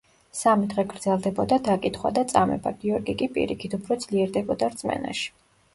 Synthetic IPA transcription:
samid̪ʁɛɡɾd̪zɛlˠd̪ɛbɔd̪ad̪akʼit̪ʰχwa̰d̪at̪sʼamɛ̰baɡiɔɾɡikʼipʼḭɾḭkʰit̪ʰupʰɾɔd̪z̥liɛɾd̪ɛbɔd̪aɾt̪sʼmɛ̰na̰ʃi̥

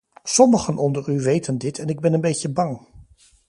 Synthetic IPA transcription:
sɔməχənʔɔndəryʋejtəndɪtʰɛnɪɡ̚bɛnənbejcəbɑŋ

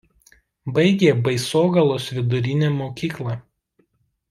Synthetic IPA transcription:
bɐɪɡʲeːbɐɪsoːɡɐlˠoːsʋʲɪd̪ʊɾʲɪnʲeːmoːkʲiːklˠɐˑ

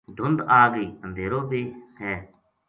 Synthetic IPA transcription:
ɖʱʊnd̪aːɡəiːənd̪ʱeːɾoːbeːɦɛː

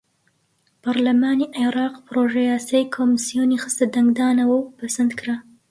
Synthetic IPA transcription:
paɾlamɑːniʔaɾɑqpɾoʒajɑsajkʰomɪsijonixəst̪ad̪aŋɡd̪ɑnawəwpasand̪kɾa

